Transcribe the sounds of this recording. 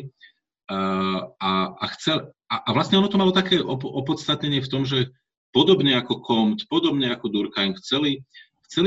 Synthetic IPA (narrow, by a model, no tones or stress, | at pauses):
aaxt͡sɛl | aʔaʋlast̪ɲɛɔnɔt̪ɔmalɔt̪akɛːʔɔɔpɔt̪st̪at̪ɲɛɲɪɛft̪ɔmʒɛ | pɔd̪ɔbɲɛakɔkʰɔmt̪pɔd̪ɔbɲɛakɔd̪uɾkajnxt͡sɛli | xt͡sɛl